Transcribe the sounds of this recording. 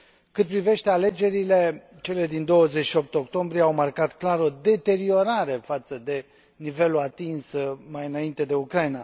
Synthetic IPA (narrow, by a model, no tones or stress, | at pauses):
kɨt̪̚pɾive̞ʃt̪e̞ale̞d͡ʒe̞ɾile̞ | t͡ʃe̞le̞d̪ind̪o̞wəzet͡ʃʃio̞p̚t̪eo̞kt̪o̞mbɾijeawmarkat̪klaɾo̞d̪e̞t̪e̞ɾio̞ɾaɾe̞fat̪səd̪e̞ | nive̞luat̪insmajɨnaint̪e̞d̪e̞ukɾajna